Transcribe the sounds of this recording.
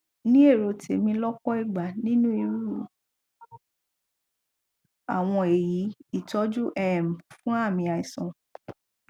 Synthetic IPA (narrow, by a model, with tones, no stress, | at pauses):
nĩ˦e˦˨ɾo˧tḛ˨mĩ˧˦lɔ˦kɔ˦i˦˨ɡ͡ba˨nĩ˦nũ˦i˧ɾu˦˨ | a̰˨w̃ɔ̃˧e˨ji˨˦i˦˨tɔ˨˦d͡ʒu˦ʔɛ˦˨m˨fũ˦a˦˨mĩ˧a˧i˨sɔ̃˨